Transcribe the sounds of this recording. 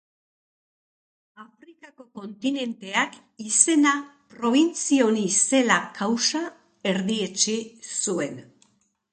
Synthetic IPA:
afɾikako̞ko̞nt̪ine̞nt̪e̞ak | ise̞napɾo̞β̞int͡sio̞nise̞lakʰawsa | e̞ɾðie̞t͡ʃisue̞n

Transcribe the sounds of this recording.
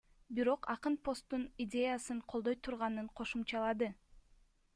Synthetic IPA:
biɾo̞qɑqɯnpʰo̞st̪ːunidʲe̞jasɯɴqʰo̞lˠd̪o̞jt̪ʰuɾʁɑnɯɴqʰo̞ʃumt͡ʃɑlˠɑd̪ɯ

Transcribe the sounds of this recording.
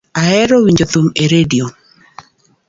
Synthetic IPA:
aɛɾowiɲd͡ʒot̪umeɾedio

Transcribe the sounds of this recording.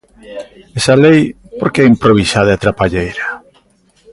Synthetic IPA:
esalej | poɾkeɛimpɾoβ̞isaðeat̪ɾapaʎejɾa

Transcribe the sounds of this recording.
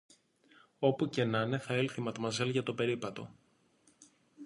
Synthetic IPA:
o̞puce̞nɐne̞θɐelθimɐt̪omɐzelʝɐt̪o̞pe̞ɾipɐt̪o̞̰

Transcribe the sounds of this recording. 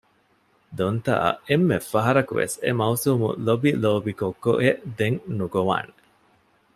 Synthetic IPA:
d̪ont̪a̰ʔɐ̰emːefːɐɦɐɾɐkṵʋḛsemɐusuːmṵlobiloːbikokːoʔed̪eŋnuɡoʋa̰ːne

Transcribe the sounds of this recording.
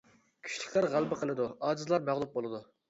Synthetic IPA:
kʲʰy̥ʃilɪ̥kʲlæɾʁælˠbɨqʰəlˠɨd̪uɑːd͡ʒ̪ɨzlˠɑɾmæʁlˠup̚bolˠɨd̪u

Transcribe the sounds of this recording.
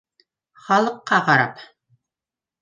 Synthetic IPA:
χɑlˠɤ̆qːɑqɑɾɑ̰p

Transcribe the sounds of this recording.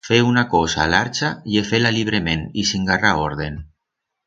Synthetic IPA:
feunakosalaɾt͡ʃajefelaliβ̞ɾemẽnisiŋɡaraoɾðen

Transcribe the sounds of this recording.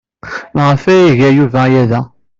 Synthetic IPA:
nʁəfæjiʝæjuvæjæðæ

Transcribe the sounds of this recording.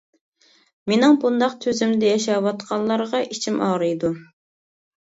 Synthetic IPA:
menɪŋbund̪ɑqt̪ʰøzymd̪ɛjɛʃɑwɑt̪qʰɑllˠːɑɾʁɑʔit͡ʃʰimʔɑʁɾɨjd̪u

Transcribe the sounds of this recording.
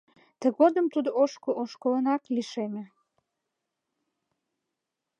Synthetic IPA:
t̪ə̆ɡod̪əmt̪ud̪oʃkoʔoʃkolənɑkliʃemʲe

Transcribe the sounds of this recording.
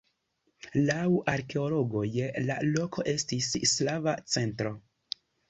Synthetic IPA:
lawaɾke̞olo̞ɡo̞jela̰lo̞kʰo̞ʔe̞stisslavat͡se̞ntɾo̞

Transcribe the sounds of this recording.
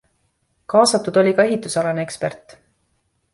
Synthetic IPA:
kɑːsɑt̪ːud̪̥o̞lʲikɑe̞ɦit̪ːˑusɑlɑnekspe̞rt̪ː

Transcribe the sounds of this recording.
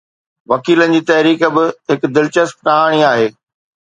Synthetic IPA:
ʋɐkiːlənɪ̆d͡ʑiːt̪ɐɦɾiːk̆bɪɦɪkd̪ɪlt͡ɕəs̚ɾaːɽ̃iaːɦeː

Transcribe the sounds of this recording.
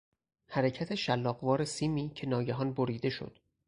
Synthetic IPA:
hæɾecʰæt̪ʰe̞ʃælːɒːɣvɒːɾe̞siːmiːcʰe̞nɒːɟæɦɒːnboɾiːd̪e̞ʃo̰d̪̥

